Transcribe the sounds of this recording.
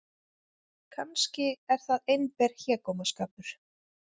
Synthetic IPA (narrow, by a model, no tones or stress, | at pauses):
kʰanscɪɛɾ̥θaðejnpɛɾ̥çɛːkɔmaskaːpʏɾ̥